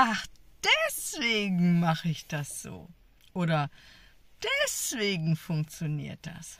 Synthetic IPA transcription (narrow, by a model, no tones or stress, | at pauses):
ʔaχd̥ɛsv̥eːɡŋ̩maχəɪçd̥asz̥o̰ː | ʔoːɾɐ | d̥ɛsv̥eːɡŋ̩fʊŋk̚t͡sjonḭːɐt̚d̥a̰s